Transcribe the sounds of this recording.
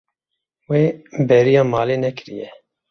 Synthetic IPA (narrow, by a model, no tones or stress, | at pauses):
weːbɛɾijɑːmɑːleːnɛkɨɾḭjɛ